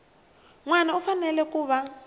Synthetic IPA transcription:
ŋwanaufanɛlɛkuːβa

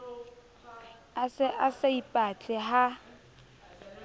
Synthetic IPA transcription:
asʔaseipʼat͡ɬʼɛɦa

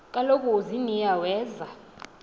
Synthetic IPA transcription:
kʼalokʼuzinijawɛːza

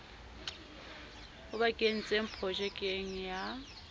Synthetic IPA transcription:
ʊbakʼen̩t͡sʼem̩pʰɔʒɛkʼeŋ̩ja

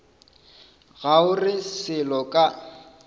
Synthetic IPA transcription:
ɣaʊrɪsɪlɔkʼa

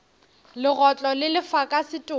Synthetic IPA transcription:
lɪɣɔt͡ɬʼɔlɪlɪfakʼasɪtʼʊ

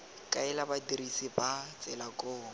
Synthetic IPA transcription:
kʼaɛlabadirisibat͡sʼɛlakʼoː

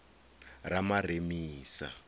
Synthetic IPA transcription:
ramaremiːsa̰

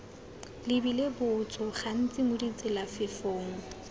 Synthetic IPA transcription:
lɪbilebʊt͡sʼɔχan̩t͡sʼɪmʊdit͡sʼɪlafɪfoːŋ̩

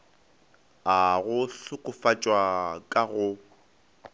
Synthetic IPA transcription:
aɣʊɬʊkʼʊfat͡ʃʼwakʼaɣʊ

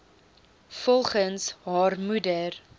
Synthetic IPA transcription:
fɔlˠχənsɦɑːrmudər

